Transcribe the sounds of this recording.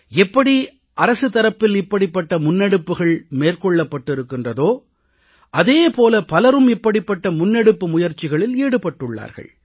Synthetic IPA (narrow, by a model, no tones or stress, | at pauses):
ɛpːɐɽi | ʔɐɾɐsɯt̪ːɐɾɐpːɪlɪpːɐɽɪpːɐʈːɐmʊnːɛɽɯpːɯɣɐɭmeːrkɔɭːɐpːɐʈːɪɾɯkːɪndrɐðoː | ʔɐðeːpoːlɐpɐlɐɾɯmɪpːɐɽɪpːɐʈːɐmʊnːɛɽɯpːɯmʊjɐɾt͡ʃːɪɣɐɭɪleːɽɯpɐʈːɯɭːa̰ːɾɣɐ̰ɭ